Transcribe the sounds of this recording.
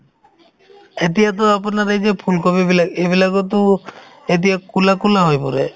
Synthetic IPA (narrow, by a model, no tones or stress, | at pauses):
et̪̬ijat̪ɔapɔnaɾed͡ʒepʰulkɔbibilaɡebilaɡɔt̪̬u | et̪̬ijakulakulaɦojpɔɾe